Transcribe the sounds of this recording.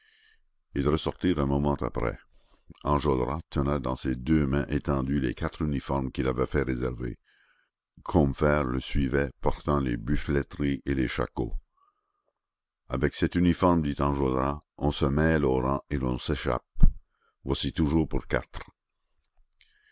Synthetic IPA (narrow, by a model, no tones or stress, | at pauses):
ilʁəsɔʁt̪iːʁɛ̃mɔmɑ̃t̪a̰pɾɛ̰ | ɑ̃ʒod̪ʁat̪ʰənad̪ɑ̃sed̪ømɛ̃ʔet̪ɑ̃d̪ylekat̪ʁynifɔʁmkʲilavɛfɛʁezɛʁvḛ | kʰɔmfɛːʁləsɥivɛpɔʁt̪ɑ̃lebyflɛt̪ʁieleʃa̰ko̰ | a̰vɛksɛt̪ynifɔʁmd̪it̪ɑ̃ʒod̪ʁaɔ̃səmɛloɾɑ̃elɔ̰̃seʃa̰p̚ | vwasit̪uʒuːʁpuʁka̰t̪ʁ